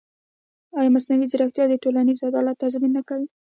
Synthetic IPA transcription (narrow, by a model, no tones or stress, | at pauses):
ɑjɑmasnawizɪɾaxt̪jɑd̪əʈolanizad̪ɑlat̪ːazminːakawi